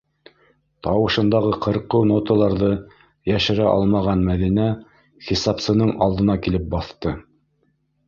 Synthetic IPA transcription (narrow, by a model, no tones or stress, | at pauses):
t̪ɑwɤ̆ʃɤ̆nd̪ɑʁɤqʰɤ̆ɾqɤnot̪olˠɑɾðɤ | jæʃɘ̆ɾæʔɑ̰lˠmɑʁɑnmæðinæ | χisɑpsɤ̆nɤɴɑ̰lˠd̪ɤ̆nɑkilɘp̚bɑθt̪ɤ